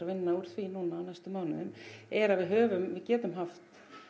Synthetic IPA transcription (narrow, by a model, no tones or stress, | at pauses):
vɪnːauɾ̥θvinuːnaːwnajst̪ʏmaːwnɪðʏmɛɾaðvɪðɦœːvʏmvɪðcɛːt̪ʏmɦaft̪